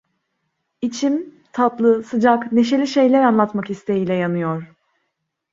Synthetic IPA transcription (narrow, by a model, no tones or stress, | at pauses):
it͡ʃʰim | t̪ʰat̪lˠɯsɯd͡ʒakne̞ʃ̬e̞lʲiʃe̞jlʲæɾanlˠat̪makist̪ʰe̞jiːlʲɛjanɯjoɾ̝̥